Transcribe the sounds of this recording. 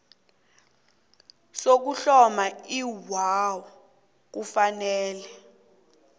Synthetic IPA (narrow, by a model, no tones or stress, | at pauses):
sok̬uɬɔmaiwawɔ | k̬ufanɛːlɛ